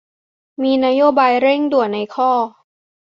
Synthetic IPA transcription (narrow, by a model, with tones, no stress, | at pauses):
miː˧na˦˥joː˦˥baː˧jɾe˥˩ŋdu˨˩ənna˧jkʰɔː˥˩